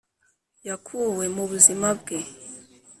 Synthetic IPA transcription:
jakʰuwemuβuzimab̚ɡe

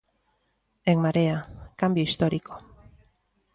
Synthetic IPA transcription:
ekmaɾeakambjoist̪oɾikʰo̥

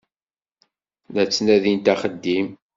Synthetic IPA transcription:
næt͡sːnæðint̪æχəd̪ːim

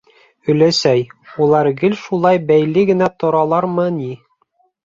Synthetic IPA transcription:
ɵ̆læsæjulˠɑɾɡɘlʃulˠɑjbæjlɘɡɘ̆næt̪ŏɾɑlˠɑɾmɤni

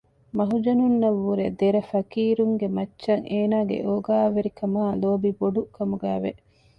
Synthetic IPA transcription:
mɐɦud͡ʒɐnunːɐʋːuɾed̪eɾɐfɐkiːɾuŋɡemɐt͡ʃːʃɐŋeːnaːɡḛʔoːɡaːʋeɾikɐmaːloːbiboɖukɐmuɡæːʋe

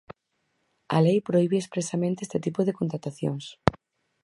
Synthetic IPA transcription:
a̰lejpɾoiβeespɾesamẽnt̪eest̪et̪ipoðekont̪ɾat̪aθjo̰ŋs

